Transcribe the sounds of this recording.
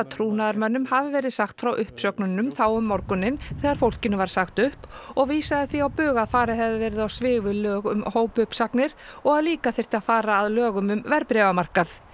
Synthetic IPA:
at̪ʰɾuːnaðaɾmœnːʏmhavɪvɛːɾɪðsaxt̪fɾawʔʏhpsœknʏnːʏmθaːwʏmːɔɾkʏnːɪnθɛːɣaɾ̥fowl̥cɪnʏvaɾ̥saxt̪ʏhpɔɣviːsaðɪθviawpʏːɣaðfaːɾɪhɛvðɪvɛːɾɪðawsvɪːvʏlœːɣʏmhoːwpʏhpsaknɪɾ̥ɔɣaðliːkaθɪr̥t̪ɪaðfaːɾaːðlœːɣʏmʏmvɛɾpɾɛːvamar̥kaθ

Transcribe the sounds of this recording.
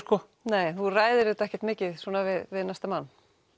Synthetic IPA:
kɔ | neːjθuraːjðɪɾɪːt̪ɛhcɛ̥ɾt̪mɪːcɪðswɔnavɪðvɪðnajst̪amanː

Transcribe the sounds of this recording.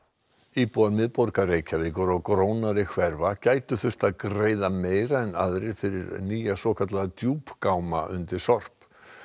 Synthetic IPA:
iːpuamɪðpɔɾkareːjcʰavɪːkʏɾawkɾoːwnaɾɪkʰvɛɾvacaːjt̪ʏθʏr̥t̪aðkɾeːjðameːjɾaɛnaðɾɪjfɪɾɪ̰ɾniːjasɔkʰat̪laat̪juːpkawma̰ʔʏ̰nt̪ɪɾ̥sɔr̥p

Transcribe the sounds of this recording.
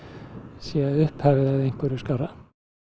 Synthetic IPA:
sjɛðʏhphaːvɪðaðejŋ̥kʏɾʏ̥skawɾa

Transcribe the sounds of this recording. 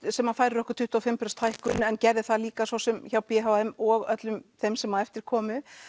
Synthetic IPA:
sɛmːafaːjɾɪɾɔhkʏɾ̥t̪ʰʏht̪ːawfɪmpɾɛst̪ʰajhkʏnɛncɛɾðɪθaðliːkasvɔwsɛmçawpɪɦawɛmɔɣœt̪lʏmθejmsɛmːaðɛft̪ɪɾ̥kʰɔːmʏ

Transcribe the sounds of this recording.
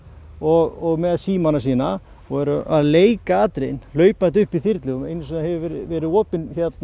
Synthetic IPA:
ɔɣɔɣmɛðsiːmanas̬iːna | ɔɛɾʔaðleːjkaaːt̪ɾejnl̥œːɥpnat̪ʏhpiθiɾt̪lɪʏmejnʏsɛnahɛvɪvɾɪvɛːɾɪðɔːpɪnçɛt̪n

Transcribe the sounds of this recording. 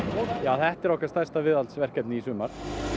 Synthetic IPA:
jaːwθɛht̪ɛɾɔhkaɾ̥st̪ajrst̪avɪðalt̪svɛr̥cɛt̪nɪisʏːmaɾ̥

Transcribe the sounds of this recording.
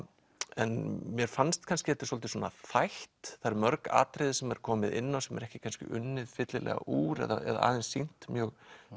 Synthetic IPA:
ɛnmjɛɾ̥fanst̪kʰanscɪɛt̪ːɪ̥sɔlt̪ɪswɔːnaθajht̪θajɾmœɾka̰ːt̪ɾɪðɪsɛmɛɾ̥kʰɔːmɪðɪnːawsɛmɛ̰ɾɛhcɪ̥kʰanscɪ̰ʔʏnːɪðfɪt̪lɪlʔɛ̰ːɣa̰ʔuːɾɛ̰ðaɛ̰ða̰a̰ːðɛnsːin̥t̪mjœːɣ

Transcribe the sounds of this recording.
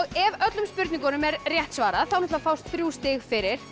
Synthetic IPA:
ɣɛvœt̪lʏmspʏɾt̪niŋkɔnʏmɛɾrjɛht̪svaːɾaðθawnɛht̪afawst̪θɾjuːst̪ɪɣfɪɾɪɾ̥

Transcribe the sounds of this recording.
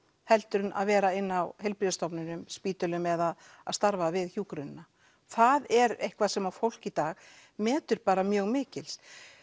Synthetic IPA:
hɛlt̪ʏɾʏnʔa̰ðvɛːɾaɪnːawhejlpɾiðast̪ɔpnʏnʏmspiːt̪ʏlʏmɛðað | a̰ðst̪aɾvavɪðçjuːkɾʏnna | θaðɛɾejhkvaðsɛmafowl̥cit̪aːɣ | mɛːt̪ʏɾpaːɾamjœːɣmɪːcɪls

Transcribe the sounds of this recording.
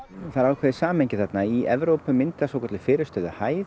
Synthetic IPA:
θaɾaːwkʰvɛːðɪsaːmhejɲcɪθɛt̪naiɛvɾowpʏmɪnt̪ɪasowkʰɔt̪lɪfɪːɾɪɾ̥st̪œːðʏhaːj

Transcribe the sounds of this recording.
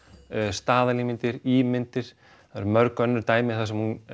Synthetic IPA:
st̪aːðalimɪnt̪ɪɾiːmɪnt̪ɪɾ̥ | aɾmœɾkœnːʏɾt̪aːjmɪθasɛmhun

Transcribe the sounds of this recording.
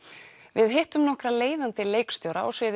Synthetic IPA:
vɪðɦeht̪ʏmnɔhkɾaleːjðant̪ɪleːjkst̪jowɾaɔsvɪːð

